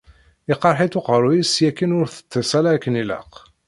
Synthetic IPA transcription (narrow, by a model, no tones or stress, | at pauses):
ɪqɑɾˤħit̪ʊqəɾˤujisjækːinʊɾθə̥t͡s̪ːəsælækːənilə̰q